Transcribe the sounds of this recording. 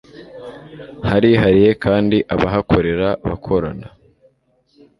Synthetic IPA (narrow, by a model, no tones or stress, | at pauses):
haɾiɦaɾije̞kaːndiʔaβaɦakʰo̞ɾe̞ɾaβa̰kʰo̞ɾana